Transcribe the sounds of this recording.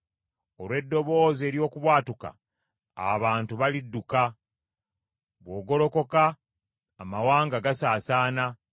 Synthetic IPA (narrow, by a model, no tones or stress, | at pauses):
o̞lwe̞dːo̞βo̞ːze̞ːɾjo̞ːkuβwaːtuka̰ | a̰βaːntuβalidːuka | βwo̞ːɡo̞lo̞ko̞kaː | mawaːŋɡaɡasaːsaːna